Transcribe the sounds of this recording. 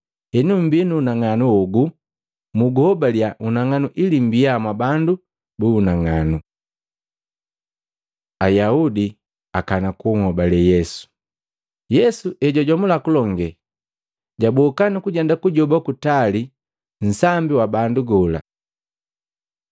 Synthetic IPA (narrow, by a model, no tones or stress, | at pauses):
ɛnum̩binuːnaŋanuɔɡu | muɡuhɔbaljaʔunaŋanuʔilim̩biamwabandu | buːnaŋanu | ajaudi | akanakuŋhɔbalɛjɛsu̥ | jɛsuʔɛɟɔɟɔmulakulɔŋɡɛ | ɟabɔkanikuɟɛndakuɟɔbakutali | n̩sambiwabanduɡɔla̰